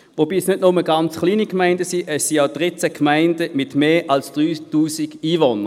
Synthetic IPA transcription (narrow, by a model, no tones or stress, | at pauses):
ʋobiːsnødnʊməɡant͡sχliːnikmaɪndəsiʔɛsːiaʊd̥ʁit͡sækmaɪndəmɪtmeːʔalsd̥ʁyːtuːsiɡ̥iːvonə